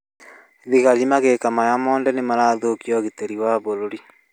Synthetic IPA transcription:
ðiɣalimaɣekamajamɔːndɛnemaɾaːðokiɔɣiteɾiwaβoɾoɾi

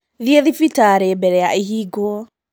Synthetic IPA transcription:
ðieðifitaɾɛbɛɾɛjaʔiɦiɡɔɔ

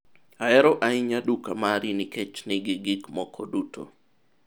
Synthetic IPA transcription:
aɛɾɔʔaɪɲadukamaɾiniket͡ʃnɪɡɪɡɪkmɔkʰɔdutʰo̰

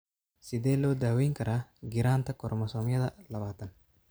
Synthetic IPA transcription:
sɪd̪eːlɔːd̪aːwɛjŋkɐɾʔaːɡɪɾaːnt̪ɐkɔɾmɐsɔːŋjɐðɐlɐβaːt̪ɐn

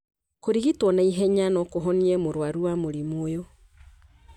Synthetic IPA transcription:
koɾiɣitwɔnaiɦɛɲanɔkoɦɔniɛmoɾwaɾuwamoɾimoːjo

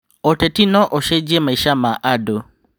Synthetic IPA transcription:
otɛtinɔ̃ʔoʃɛd͡ʒiemãiʃamãʔado

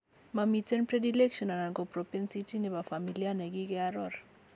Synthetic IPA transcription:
mamitenpɾedilekʃɔnanaŋɡopɾopensitinebafamilianeɡiɡeaɾɔɾ

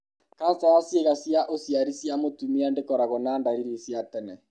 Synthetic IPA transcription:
kasawasjeɣasjaʔosiaɾisjamotumiandekɔɾaɣɔnaːndaɾiɾisjatɛnɛ

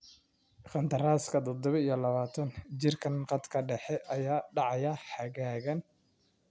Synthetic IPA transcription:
χɑnt̪ʰɐraːskʰɐd̪ɔd̪ɔβɐijɔlɐβaːt̪ʰɐnt͡ʃɪrkʰɐnqɑd̪kʰɐɖɛħɛʔɐjaːɖɑʕɑjɐħɑɣaːɣɐn

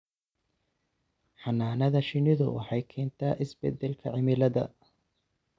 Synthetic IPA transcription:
ħɑnaːnɐðɐʃɪnɪðʊ̰wɑ̰ħɑjkʰɛːnt̪ʰaːʔɪsbɛd̪ːɛlkʰɐ̰ʕɪmɪlɐðɐ̰

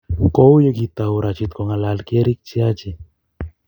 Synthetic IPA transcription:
kowjəkit̪auɾat͡ʃit̪koŋalalkeɾik̚t͡ʃiat͡ʃi

